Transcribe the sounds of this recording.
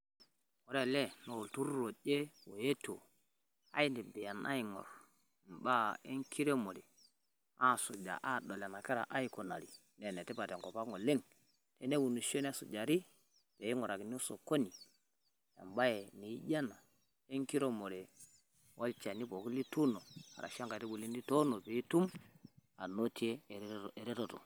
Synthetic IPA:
wo˨ɾe˦˨le˦no˨wu˨ltu˦ɾɾo˨ɗe˦wo˨je˦to˨ | a̰˦i˦ndi˨be˨ja˨nʔa̰˦i˨ŋo̰˨ɾ | m˨ba˦e˦ŋkʰi˦ɾe˦mo˨ɾe˨ | a˦˨su˨d͡ʒa̰˨ʔa˦˨do˨le˨na˨ke˦ɾa̰˨ʔa˦i˦ko˨na̰˨ɾi˨ | ne˨ne˨te˦pa˨te˨ŋko˨pa˦ŋo˨le˦ŋ | te˦ne˦wu˨nu˨ʃo˦n˦a˦sṵ˨d͡ʒa˨ɾi˦ | pe˨ji˦ŋo˨ɾa˨ki˨n˦u˦so˨ko˦ni˨ | ja̰˨mba˦je˨ni˨i˦ɟa˦na˨ | e˦ŋki˦ɾo˦mo˨ɾe˨ | wʔa˦lt͡ʃa˨ni˦po˨ku˦li˦tu˦no˨a̰˨ɾa̰˨ʃa˦ŋka˨ti˦bu˨li˦ndi˦to˦no˨pe˨˦i˦tu˦m | a˨no˦ti˦e˦˨ɾe˨ɾe˦to˨to̰˨

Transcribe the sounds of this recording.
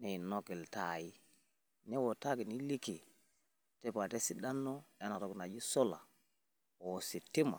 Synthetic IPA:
ne˨no˦ki˨lta˨ji˦ | ne˦wo˨ta˦ki˨ni˦li˦ki˨ | te˦pa˨te˦si˦da˦nːo˦e˦na˨to˨kna˨d͡ʒi˦so˦la̰˨ | wo˨si˨tːi˦ma̰˨

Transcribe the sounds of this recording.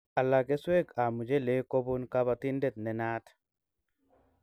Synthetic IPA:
a˨la˨ke˦swe˦ka˨mu˨d͡ʒe˦le˨˦ko˦bu˦nka˦βa˨t̪i˦ndɛ˦˨t̪̚nɛ˨na˦t̪

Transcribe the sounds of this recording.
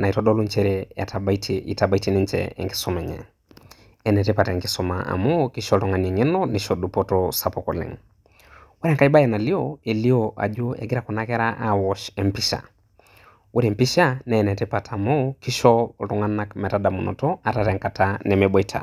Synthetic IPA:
na˨i˨tɔɗɔ˦lu˦ɲt͡ʃɛɾɛa̰˨tabaitʰiḭ˨ta˨ba˦i˦ti˦ni˦nt͡ʃɛ̰ɛ̰˨ŋɡi˦sɔ˦mɛ˨ɲɛ̰˨ | ɛ˨nɛ˨tɛ˦pa˨tɛ˨ŋɡi˦sɔma̰a̰˨mɔ˦ki˦ʃɔ˦ltɔ˦ŋa˨ni˨ŋɛ˦nɔ˦niʃɔ˨du˨pɔtɔsa˨pɔ˨kɔ̰˨lɪ̰˨ŋ | wa˦ɾɛ˨ŋka˦i˦ba˦jɛ˨na˨li˦oe˨li˦oʔa̰˨d͡ʒo˦ɛ̰˨ɡɪ˦ɾa˨kɔ˨na˦kɛ˦ɾa˦ʔa˦wɔʃɛ˨mpi˦ʃa̰˨ | wʔo˦ɾɛ˨mpi˦ʃa˦nɛ˨nɛ˨tɛpa˨tʰa˨mɔki˦ʃɔ˦tɔ˦ŋa˦na˦kmɛ˨ta˦da˨mu˨nɔ̰˨tɔ˦a˨taɾɛ˨ŋka˨tanɛ˨mɛ˨bɔ˦itʰa̰˨

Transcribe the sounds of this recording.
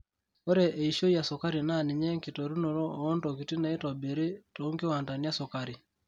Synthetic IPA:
o˦ɾɛ˨ʔe˨iʃo˦ja˨soka˦ɾi˨nani˨ɲɛ˦ŋki˨to˨ɾu˦no˨ɾɔ˦ndɔkiti˦na˦e˦tɔbe˨ɾe˦to˦ŋɡe˦wa˨nda˨ni˦a˦sɔkaɾi

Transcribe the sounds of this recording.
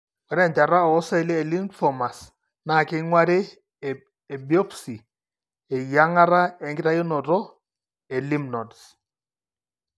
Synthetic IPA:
wɛ˨ɾɛ˦˨nta˨ɾa˦ɔ˨˦sɛ˦˨le˦e˨li˦nfɔ˨ma˨s | na˦˨kɪ˦ŋwa˦ɾɪ˦ | ɛ˨bi˨ɔ˦psi˨ | ɛ˨ja˦ŋa˦ɾa˦ɛ˨ŋɡɪ˦ɾa˦jo˦nɔ˨ɾɔ˦ | ɛ˨li˦mnɔ˨ds

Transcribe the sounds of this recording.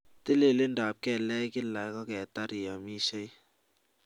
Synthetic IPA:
te˦le˨le˦ndaː˨p̚kɛ˦˨lɛ˦kɪ˦la˨jkɔ˦kɛ˨ta˦ɾi˨ja˨mi˦se˦j

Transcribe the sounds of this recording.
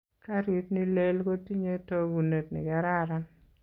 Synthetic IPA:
ka˦ɾi˦tni˦le˦lko˦ti˦ɲe˦to˦ɡu˨ne˨tnɪ̰˨ɡɛ˨˦ɾa˦˨ɾa˦n

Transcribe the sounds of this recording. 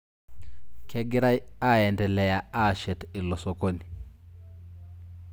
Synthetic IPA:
kʰɛ˦ɡɪ˦ɾa˦ja˦˨ɛ˨ndɛ˨lɛ˨ja˨a˦˨ʃɛ˨tɪ˨lɔ˨so˨ko˦ni˨

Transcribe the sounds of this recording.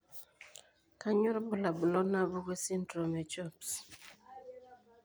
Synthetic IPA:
ka˦ɲu˦ɾbʊ˦la˨bʊ˨lɔ˦na˦bu˦ɡe˦si˦ntɾo˨me˨t͡ʃɔ˦˨ps

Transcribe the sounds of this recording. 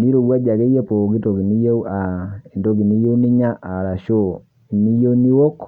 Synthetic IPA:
ni˦ɾo˨ɡwa˦d͡ʒa˨ke˦je˦po˨ɡi˦to˨ɡi˨ni˦je˦u˦a˨i˨ndo˦ɡi˨ni˦je˦u˦ni˦ɲa˦ʔa˨ɾa˨ʃo˦˨ | i˨ni˦jo˦ni˦wo˦k

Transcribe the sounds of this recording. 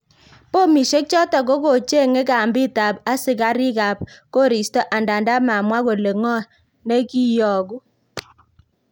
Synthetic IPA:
po˦mi˨ʃe˦k̚t͡ʃɔ˦tɔ˨ɡo˦ko˨t͡ʃe˦˨ŋe˦ka˨mbɪ˦˨ta˨pa˦sɪ˨ka˦ɾɪ˦ka˨p̚ko˦ɾi˨stɔ˦ʔa˨nda˨nda˦ma˨mwa˦ko˨le˨ŋɔ˦ | ne˦ki˦jɔ˨ɡu˦

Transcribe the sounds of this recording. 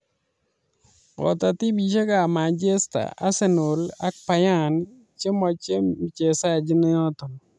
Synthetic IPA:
ɔ̰˨ta˨ti˦bi˨t͡ʃa˦ɡa˨ma˨nd͡ʒe˦sta̰˨a˦sɛ˦no˨la˦k̚pa˨ja˦˨n | t͡ʃe˦mɔ˨t͡ʃe˦m˨t͡ʃe˨sa˦˨d͡ʒɪ˦n˦ɔ˦t̪o˨n

